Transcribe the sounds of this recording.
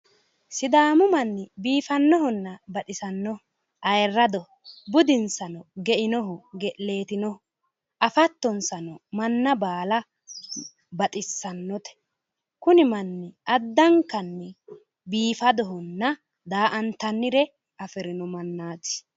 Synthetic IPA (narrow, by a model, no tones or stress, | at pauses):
sɪd̪aːmʊmɐnːɪbiːfɐnːɔɦɔnːɐbɐt̪ʼɪsɐnːɔ | ʔɐjrːɐd̪ɔ | bʊd̪ɪnsɐnɔɡɛʔɪnɔɦʊɡɛʔle̞ːt̪ɪnɔ | ʔɐfɐt̪ːɔnsɐnɔmɐnːɐbaːlɐ | bɐt̪ʼɪsːɐnːɔt̪ɛ̥ | kʊnɪmɐnːɪɐd̪ːɐŋkɐnːɛ | biːfɐd̪ɔɦʊnːɐ | d̪aːʔɐnt̪ɐnːɪɾɛ | ʔɐfɛɾɪnɔmɐnːaːt͡sːɪ̥